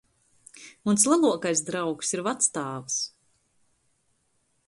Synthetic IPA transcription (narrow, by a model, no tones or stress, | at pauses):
munslˠalˠuɔkajsd̪ɾawksiɾvat̪st̪aːvɨs